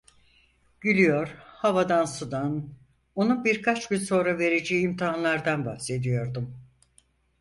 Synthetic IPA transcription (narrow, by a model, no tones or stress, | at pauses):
ɟ̥ylʲijoɾhavad̪ansud̪an | o̞nubiɾkʰat͡ʃɟynso̞nɾave̞ɾed͡ʒeiːmt̪ʰiɦanlˠaɾd̪anbahse̞d̪ijo̞ɾd̪um